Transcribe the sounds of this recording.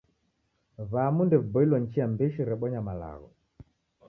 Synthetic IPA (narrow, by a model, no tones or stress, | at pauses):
vamundɛvbɔilwɔɲt͡ʃiambɛʃiɾɛɓɔɲamala̰ɣɔ̰